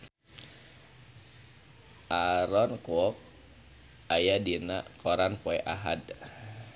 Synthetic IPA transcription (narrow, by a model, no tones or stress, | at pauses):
ʔaɾɔnkɔɔk̚ | ajadina̰ʔkɔɾanpɔɛʔaɦad